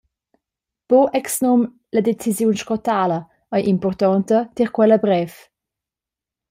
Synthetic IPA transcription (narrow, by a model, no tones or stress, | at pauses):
b̥oʔɛksnɔm | ləd̪et͡sizjunʃkɔtalə | əjʔimpɔrt̪ɔnt̪ət̪iɾkwɛləbɾɛf